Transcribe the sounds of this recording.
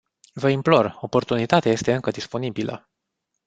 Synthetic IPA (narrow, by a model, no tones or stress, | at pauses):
vəimplo̞ro̞po̞rt̪unit̪at̪eaje̞st̪e̞ɨŋkəd̪ispo̞nibilə̰